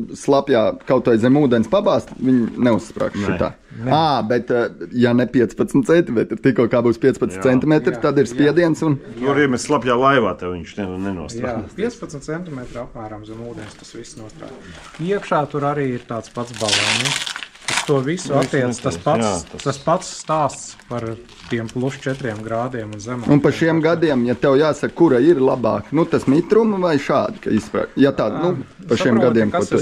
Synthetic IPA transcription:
slˠapjaːkawt̪uɔjzɛmuːd̪ɛnspabaːst̪ʋiɲnɛusːpɾa̰ːkʃit̪a̰ː | naːbet̪janɛpʲiɛt̪spat̪sm̩t̪t͡ssɛnt̪imʲɛt̪ɾt̪ikoɔkaːbuːspʲiɛtspɐtt͡ssnt̪sɛnt̪imet̪ɾt̪ad̪iɾspiɛd̪iɛnsunt̪uaɾiːmɛsslˠapjaːlˠajʋaːt̪aʋiɲʃnɛnɛnuɔspiɛt̪spɐt̪nt̪sɛnt̪imet̪ɾapmæːɾɐmzɛmuːd̪ɛnst̪ḁsʋisnuɔst̪ɾa̰ːt̪ | iɛkʃaːt̪uɾaɾiːiɾt̪aːt̪spat̪sbalˠɛnʲik̪ast̪uɔvisuatt̪ːiɛt̪aspat̪aspat̪sst̪aːst̪spaɾ | t̪iɛmplˠuʃt͡ʃɛt̪ɾiɛmɡɾaːd̪iɛmunzɛmaunpaʃiɛmɡad̪iɛmjat̪ɛwjaːsɐkkːuɾɐiɾlˠabɑ̰ːknut̪asmit̪ɾumʋajʃaːd̪ika̰ispɾa̰ːjat̪aːnu | paʃiɛmɡad̪iɛmkuɔt̪

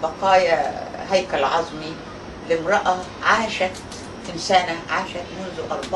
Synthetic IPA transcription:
bɑqɑːjaɦæjkælʕɑzˤmi | lɪmɾˤɑʔɑ | ʕaːʃæt̪ | ʔɪnsæːnæʕaːʃæt̪mʊnzʊʔɑ̰ɾˤbɑ

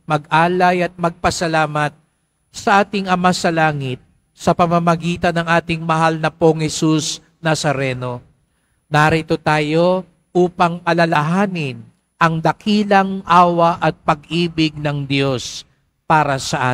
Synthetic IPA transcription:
mɐɡaːlɐjɐt̪̚mɐɡ̚pɐsɐlaːmɐt̪̚ | sɐʔaːt̪ɪŋɐmasɐlaːŋɪt̪̚ | sɐpɐmɐmɐɡiːt̪ɐnɐŋaːt̪ɪŋmɐɦalnɐpoŋhɛsus | nɐsɐɾɛno̞ | naɾɪt̪o̞t̪aːjo̞ | ʔuːpɐŋɐlɐlɐɦaːnɪn | ʔɐŋd̪ɐkʰiːlɐŋʔaːwɐʔɐt̪̚pɐɡʔiːbɪɡ̚nɐŋd̪jo̞s | paːɾɐsɐʔa̰ː

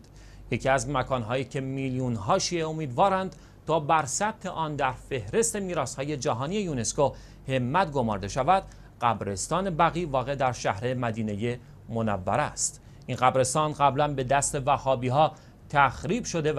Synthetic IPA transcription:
je̞cʰiæzmækʰɒːnɦɒːjiːcʰe̞miljuːnɦɒːʃiːʔe̞omiːd̪vɒːɾænd̪̥ | t̪ʰɒːbæɾsæb̥̚t̪ʰe̞ʔɒːnd̪æɾfe̞hɾe̞st̪e̞miːɾɒːshɒːje̞d͡ʒæɦɒːnie̞juːne̞sko | he̞mːæt̪ɡo̞mɒːɾd̪e̞ʃævæd̪̥ | ɢ̥æbɾe̞st̪ɒːne̞bæɣiːvɒːɣe̞d̪æɾʃæhɾe̞mæd̪iːne̞je̞ | monæ̰vːæ̰ɾæst̪ | ʔinɢæbɾe̞st̪ɒːnɢæblænbe̞d̪æst̪e̞væhɒːbiːɦɒː | t̪ʰæxɾiːbʃo̞d̪e

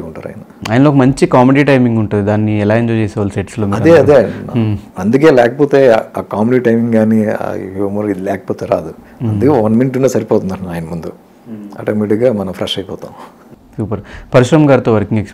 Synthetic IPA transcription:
uɳʈaːɾa̰ːjnɐaːjnɐoːkɐmɐɲt͡ʃikaːmeɖiːʈɐjmiŋɡuɳʈund̪id̪aːnːiɛlaːeɲd͡ʒot͡ʃeːsɛːʋaːlseʈsloːmiɐɾɐd̪eːɐd̪e | ɐnd̪uke̞ːlɛːkɐpoːt̪e̞ːaːkaːmeɖiʈɐjmiŋɡɡaːnḭomɐɾid̪ilɛːkɐ̥poːt̪eːɾa̰ːd̪u | ɐnd̪ukeːʋɐnminʈunːesɐɾipoɔːt̪und̪ɐaːjɐnɐmund̪u | ɐ̰ːʈɐmiʈiɡaːmɐnɐmfɾeʂɐjpɔːt̪a̰ːm | suːpɐɾpɐɾiʃɾɐmɐɡaːɾt̪oːʋɐɾkiŋɡeks

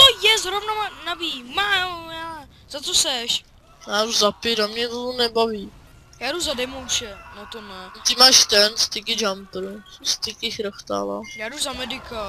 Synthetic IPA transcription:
t̪ojɛzɾovnomanabiːmaːjaː | z̥at͡sosɛʃ | jaːduzapɪɾamɲɛt̪ot̪onɛbaviː | jaːduzadɛmowʃɛnot̪onɛt̪ɪmaːʃt̪ɛnst̪ɪkɪd͡ʒampɾst̪ɪkɪxɾəxt̪a̰la̰jaːduzamɛdɪka

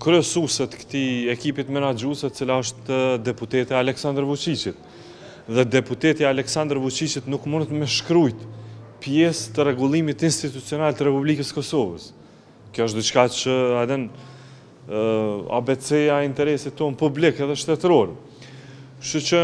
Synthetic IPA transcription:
kɾɛsusɛt̪kə̥t̪iɛkipit̪mɛnad͡ʒusɛt̪ət͡silaəʃt̪d̪ɛput̪ɛt̪iaalɛksand̪ɾəvut͡ʃit͡ʃit̪ | ðɛd̪ɛput̪ɛt̪iaalɛksand̪ɾvut͡ʃit͡ʃit̪nukmunt̪mɛʃkɾujt̪pjɛst̪ərɛɡulˠimit̪inst̪it̪ut͡siɔnalt̪əɾɛpublikəskɔsɔvə̰s | kjɔəʃ̬d̪it͡ʃkat͡ʃəad̪ɛn | a̰bɛt͡sɛaint̪ɛɾɛsit̪ːɔnpublikɛðɛʃt̪ɛt̪ɾɔɾ | ʃut͡ʃə

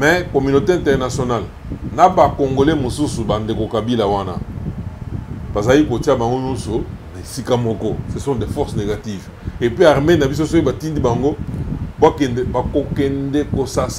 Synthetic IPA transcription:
mɛkomynoteɛ̃ntɛʁnasjonal | nabakoŋɡolemosusubandekokabilawana̰ | b̥azalikotiabaŋɡoɲɔ̃nsonaesikamɔkɔsesɔ̃dɛfɔʁsneɡativ | epiaʁmenabisosokibatindibaŋɡobakɛnɛbakokɛndɛkosas

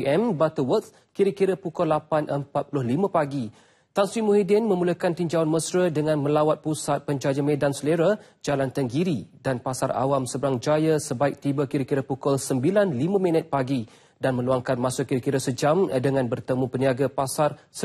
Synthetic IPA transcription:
ɛmbat̪əwət̪̚ | kiɾəkiɾəpukɔlːapanʔəmpat̪̚pulʊhlimãpaɡi | t̪answimuɦidɪnmə̃muləkant̪iɲd͡ʒawanməsɾədəŋãnmə̃lawat̪̚pusat̪̚pəɲd͡ʒad͡ʒamẽdansəleɾə | d͡ʒalant̪əŋɡiɾidanpasaɾa̰wamsəbəɾaŋd͡ʒajasəbaɪk̚t̪ibəkiɾəkiɾəpukɔlsəmbilanlimãmĩnət̪̚paɡi | danmə̃luaŋkanmasukiɾəkiɾəsəd͡ʒamdəŋãnbərt̪əmũpəniaɡapasar | s

